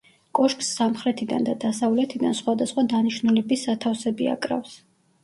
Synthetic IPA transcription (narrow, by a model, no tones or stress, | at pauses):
kʼɔʃkʼsːamχɾɛt̪ʰid̪and̪ad̪asavlɛt̪ʰid̪ansχwad̪asχwad̪aniʃnulɛbisat̪ʰafsɛbia̰kʼɾa̰fs